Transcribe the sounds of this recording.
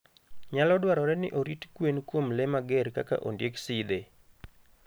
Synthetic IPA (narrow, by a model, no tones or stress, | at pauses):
ɲalɔdwaɾɔɾɛnɪ̰ʔoɾitkwenkwomlɛmaɡɛɾka̰ka̰ʔondjeksɪd̪e